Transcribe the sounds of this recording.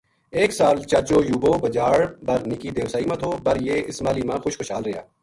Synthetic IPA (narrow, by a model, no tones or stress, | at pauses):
eːksaːlt͡ʃɐd͡ʒoːjuːboːbɐd͡ʒaːɽbɐɾnɪkid̪eːʊsaːimãt̪ʰoːbɐɾjeːɪsmaːliːmãːxʊʃxʊʃaːlɾɪja̰ː